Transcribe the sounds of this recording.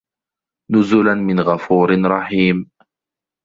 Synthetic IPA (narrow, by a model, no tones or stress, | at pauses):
nʊzʊlanmɪnɣafuːɾɪnɾˤɑħiːm